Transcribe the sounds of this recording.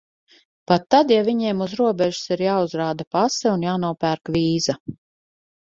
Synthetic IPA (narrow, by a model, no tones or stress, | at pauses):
pat̪ːad̪javiɲeɛːmuzɾuɔbʲɛʒu̥siɾjaːuzɾaːd̪apasɛunjaːnuɔpæɾkʋiːza